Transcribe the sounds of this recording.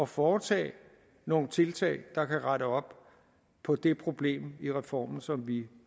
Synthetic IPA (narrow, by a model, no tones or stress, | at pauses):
ɒ̽fɒːt͡sʰɛ̰ː | no̝ːn̩t͡sʰe̝lt͡sʰɛ̰ɪd̥ɑ̈kʰæʁɑɾəɒ̽b̥ | pʰɒ̽d̥e̝pʰʁo̝b̥le̝̰ːmiʁɛfɒ̰ːmn̩sɒ̽mʋi